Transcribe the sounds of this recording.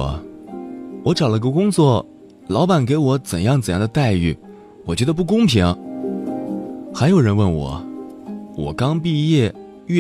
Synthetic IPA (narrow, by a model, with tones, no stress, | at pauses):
wɔ˧˥ʈ͡ʂɑ˨˩ʊlə˧ə˧kʊ˥ŋt͡swɔ˥˩ | lɑ˧˥ʊpa˨˩nk̬e˧˥ɪwɔ˧˥t͡sə˨˩njɑ˥˩ŋt͡sə˨˩njɑ˥˩d̪ə˧t̪a˥˧ɪy˥˩ | wɔ˨˩t͡ɕɥɛ˧˥d̪ə˧p̬u˥˩k̬ʊ˥ŋpʰi˧˥ŋɐ˧˦ | xa˧˥jo˨˩ʊɻə˧˥nwə˥˩nwɔ̰˨˩ | wɔ̰˨˩kɑ˥ŋp̬i˥˧jɛ˥˩ | ɥy˥˩